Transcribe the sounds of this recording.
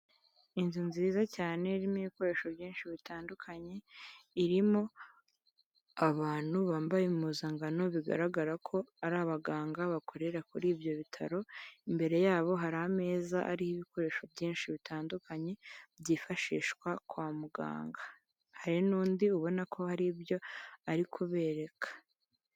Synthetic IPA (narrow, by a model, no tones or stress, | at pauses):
inzunziːzacaːne̞ɾimiβiko̞ɾe̞ʃo̞bjiːnʃiβitaːndukʰaɲe̞iɾimo̞ | aβaːn̥huβaːmbajemuzaŋɡano̞βiɡa̰ɾaɡaɾakʰo̞aɾaːβaɡaːŋɡaβakʰo̞ɾe̞ɾakuɾiːbjo̞βitʰaɾo̞imbe̞ɾe̞jaːβo̞ɦaɾaːme̞ːzaʔa̰ɾihiβiko̞ɾe̞ʃobjiːnʃiβitʰaːndukʰaɲe̞bjiːfaʃiːʃkwakwaːmuɡa̰ːŋɡa | haɾinuːndiuβo̞nakʰo̞haɾibjo̞aɾikʰuβe̞ːɾe̞kʰḁ